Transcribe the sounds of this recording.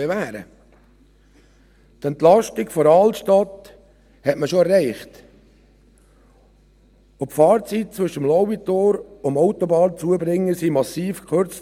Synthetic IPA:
evæːɾə̰ | t̪ɛnt̪lɑʃtikfɔɾɑlʃtɑt̪ | hɛtməʃoɛrːɛɪχt | opfɑːɾt͡sit̚t͡sʋʏʃəmlɔʊbitoːɾʊmɔʊt̪ɔbɑːnt͡suəbɾɪŋːəsimɑsiːfkχøɾt͡s

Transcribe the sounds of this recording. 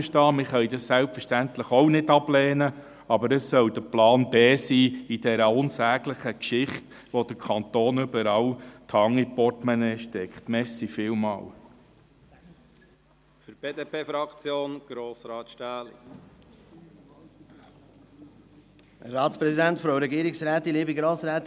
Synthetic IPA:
ʃtɑːmɪχœjdɑssælpfəɾʃtænt̪ləχɔwnɪdɑb̥lɛːnə | ɑbəɾəsːœwd̥̪əplɑːnbeːsiːidɛɾəʊnsæːɡ̥ləχəkʃɪχt | ʋod̥əkʰɑnt̪oːnʏbəɾɑːwt̪ʰhɑŋipɔtmɛnɛʃtɛkχt̪mɛχsifɪːlmɑ̰ːl | fyɾb̥eːdeːpʰeːfɾɑkt͡sjoːnɡ̥ɾoːsɾɑːtʃtæːl | ɑːtspɾɛsid̪æntfɾoʊɾɛɡiːɾiksɾæːt̪ːinliːbiɡɾoːsɾæːt̪

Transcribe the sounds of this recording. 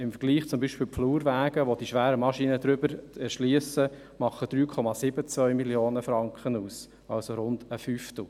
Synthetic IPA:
ɪmfəɾɡ̥liːχt͡sʊmbiːʃpɪːlpfluːɾʋæːɡ̥əʋod̥̪iʃʋæːɾəmɑʃinəd̪ɾʏbəɾɛʃliəsə | mɑχəd̥ɾyːkʰɔmɑsɪbət͡sʋvœʏmiljoːnəfɾɑŋkχənuːs | ɑlsoɾʊndəfyft̪l̩

